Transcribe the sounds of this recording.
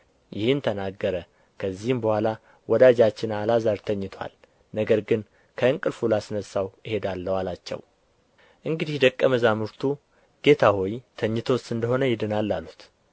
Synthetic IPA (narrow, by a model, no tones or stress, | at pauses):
jɪhɨnt̪ʰənaɡːəɾə | kʰəzːihɨmbəhʷala | wɔd̪ad͡ʒat͡ʃːɪnalazaɾt̪ʰəɲːɪt̪ʰwa̰l | nəɡəɾɡɨn | kʰəɨŋkʼɨlfulasnəsːawjɪhe̞d̪alːəwalat͡ʃːɛ̰w | ʔɨŋɡɨd̪ihd̪əkʼːəməzamɨɾt̪ʰu | ɡ̥e̞t̪ʰahojt̪ʰəɲːɪt̪ʰosɨnd̪əho̞nəjɪd̪ɨnalːalːut̪